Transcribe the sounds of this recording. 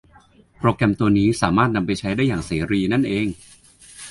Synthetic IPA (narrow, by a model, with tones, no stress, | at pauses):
pɾoː˧kɾɛ˧mt̪u˧ɐniː˦˥saː˩˦maː˥˩t̪̚na˧mpa˧jt͡ɕʰa˦˥jda˥˩jaː˨˩ŋseː˩˦ɾiː˧na˥˩nʔeː˧ŋ